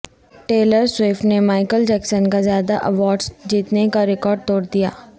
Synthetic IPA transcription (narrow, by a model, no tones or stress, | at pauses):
ʈeːləɾsweːfʈnemaːɪkəld͡ʒɛːksənkazjaːd̪aʔɐʋɔːɾɖsd͡ʒiːt̪nekaɾɪkɔːɾɖ̚t̪ɔːɽd̪ija̰ː